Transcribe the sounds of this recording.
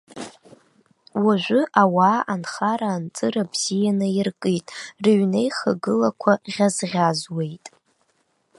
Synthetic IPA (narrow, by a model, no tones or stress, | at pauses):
waʒʷʊʔawaːʔanχaɾaːnt͡sʼɨɾabz̥ijanɨirkʼɨtʼrɨɥnejχaɡɨlakʷʰaʁʲazʁʲazwe̞jtʼ